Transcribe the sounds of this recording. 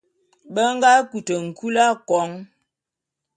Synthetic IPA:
bə˦ŋ˦ɡa˦ku˨tə˨ŋ̩˨kʰu˦la˦kɔ˨˦ŋ

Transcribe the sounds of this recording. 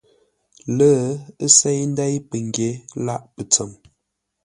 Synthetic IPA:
lə˦ə˦se˦jn̩˦dɛ˦jpə˨ŋ˨ɡje˨˦la˦ʔpə˨t͡sə˨m

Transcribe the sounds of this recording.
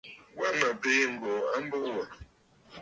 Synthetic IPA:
wa˦ma˨pe˦m̩˨bɔ˨a˦m˦bə˦˨wa˨

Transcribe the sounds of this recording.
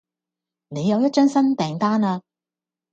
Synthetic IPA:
ne˨˧jɐ˨˧wjɐ˥t̚t͡ʃœː˥ŋsɐ˥nt̪ɛː˨˩ŋt̪aː˥naː˧

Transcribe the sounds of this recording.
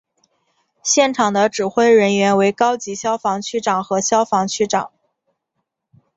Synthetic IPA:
ɕjɛ˥˩nʈ͡ʂʰɑ˨˩ŋd̪ə˦ʈ͡ʂɻ̩˨˩xwe˥˩ɪɻə˧˥nɥɛ˧˥nwe˧˥ɪkɑ˥ʊt͡ɕi˧˥ɕjɑ˥ʊfɑ˧˥ŋt͡ɕʰy˥˩ʈ͡ʂɑ˨˩ŋxɤ˧˥ɕjɑ˥ʊfɑ˧˥ŋt͡ɕʰy˥˩ʈ͡ʂɑ̰˨˩˦ŋ

